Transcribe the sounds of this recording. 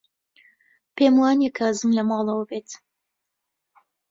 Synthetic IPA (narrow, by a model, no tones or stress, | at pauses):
peːmwaːnekʰazɨmlɐmɑːlˠɐwɐbeːt̪